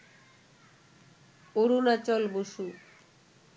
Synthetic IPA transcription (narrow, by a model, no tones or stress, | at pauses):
oɾunat͡ɕɔlboʃu